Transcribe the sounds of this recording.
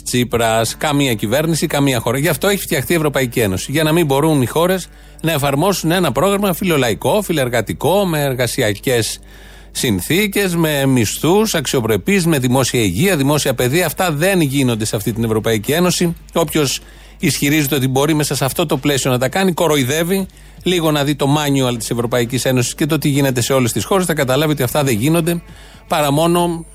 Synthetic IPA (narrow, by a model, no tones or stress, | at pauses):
t͡sipɾɐskɐmiɐcive̞ɾnisikɐmiɐxo̞ɾɐʝɐft̪o̞eçi̥ft̪jɐxθie̞vɾo̞pɐicie̞no̞siʝɐnɐmimbo̞ɾunixo̞ɾe̞z | nɐe̞fɐɾmo̞sune̞nɐpɾo̞ɣɾɐmɐfilo̞lɐiko̞fileɾɣɐt̪iko̞me̞ːɾɣɐsiɐce̞sː | inθice̞zme̞mist̪usɐksio̞pɾe̞pizme̞ðimo̞siɐiʝiɐðimo̞siɐpe̞ðiɐːft̪ɐðe̞nʝino̞nd̪esɐft̪it̪̬inevɾo̞pɐicie̞no̞si | o̞pço̞s | isçiɾizet̪e̞o̞t̪̬ibo̞ɾime̞sɐsɐft̪o̞t̪o̞ple̞sio̞nɐt̪ɐkɐniko̞ɾo̞iðe̞vi | liɣo̞nɐðit̪o̞mɐɲioɐlɐt̪i̥se̞vɾo̞pɐicise̞no̞si̥sce̞t̪ot̪iʝine̞t̪e̞se̞o̞le̞st̪isxo̞ɾesθɐkɐt̪ɐlɐviot̪iɐft̪ɐðe̞ʝino̞nd̪e̞ | pɐɾɐmo̞no̞